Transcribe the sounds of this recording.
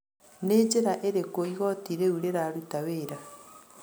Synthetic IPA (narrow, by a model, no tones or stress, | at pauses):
neːd͡ʒeɾaʔeɾekoiɣɔtiɾeuɾeɾaɾutaweːɾa